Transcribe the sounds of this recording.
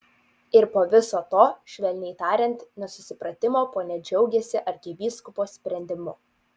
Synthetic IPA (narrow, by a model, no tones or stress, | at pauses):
ɪɾpoːʋʲɪsoːt̪oːʃʲʋʲɛlʲnʲɛɪt̪ɑːɾʲɛnʲˑt̪nʲɛsʊsʲɪpɾɐt̪ʲɪmoːpoːnʲɛd͡ʒʲɛʊɡʲɛsʲɪʔɐɾʲkʲɪʋʲiːskʊpoːsʲpʲɾʲɛnʲd̪ʲɪmʊ